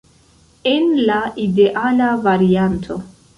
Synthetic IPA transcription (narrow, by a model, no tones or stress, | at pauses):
e̞nlaʔide̞ʔalavaɾiantʰo̞